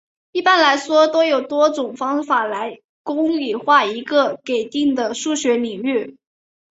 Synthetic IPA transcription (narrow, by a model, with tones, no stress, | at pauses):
i˥˩pa˧˥nla˧˥ɪʂwɔ˥t̪o˥ʊjo˨˩ʊt̪wɔ˥ʈ͡ʂʊ˨˩ŋfɑ˥ŋfa˨˩la˧˥ɪ | kʊ˥ŋli˨˩xwa˥˩i˧˥ɡə˧ke˨˩ɪt̪i˥˩ŋd̪ə˩ʂu˥˩ɕɥɛ˧˥li˨˩ŋy˥˩